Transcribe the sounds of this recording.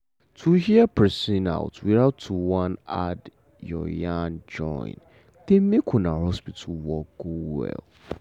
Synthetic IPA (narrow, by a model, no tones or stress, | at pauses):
tʰuhiəpʰɹɛsĩna̰ʊtwiɹaʊtʰːuwãnad | jɔ̰jand͡ʒɔ̰̃ɪ̰̃n | demẽkʰʊ̃nahɔspitʰuwɔkɡowɛ̰l